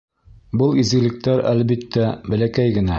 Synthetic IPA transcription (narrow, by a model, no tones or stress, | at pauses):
bɤlˠizɡɘ̆lɘ̆k̚t̪æɾæ̰lbit̪ːæbæ̆lækæjɡɘ̆næ